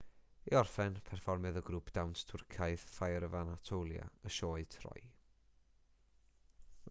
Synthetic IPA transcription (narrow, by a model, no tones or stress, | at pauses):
iɔrfɛnpʰɛrfɔrmɨðəɡɾuːpʰd̥awnstʰʊrkʰaɨðfajɾəvanatʰowlˠja̰əʃoːɨtʰr̥ɔ̰j